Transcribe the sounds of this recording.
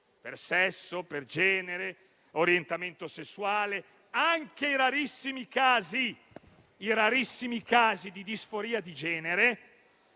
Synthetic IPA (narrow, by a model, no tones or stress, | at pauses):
persɛsːoperd͡ʒɛːneɾe | oɾjent̪ament̪osesːuwaːle | aŋkeiɾaɾisːimikaːziː | ɾaɾisːimikaːzid̪id̪isfoɾiːad̪id͡ʒɛːneɾe